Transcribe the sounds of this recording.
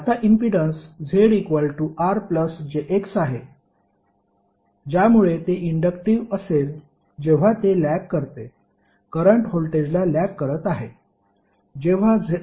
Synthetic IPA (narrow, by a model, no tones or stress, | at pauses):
at̪aʔimpiɖənsd͡zʱeɽikʋəlʈuʔaɾpləsd͡ʑeʔeksaɦe | d͡ʑjamuɭet̪eʔiɳɖəkʈiʋəsel | d͡ʑeʋ̤at̪elækːəɾt̪e | kəɾəɳʈɦolʈed͡ʑlalækːəɾət̪aɦe | d͡ʑeʋ̤ad͡zʱ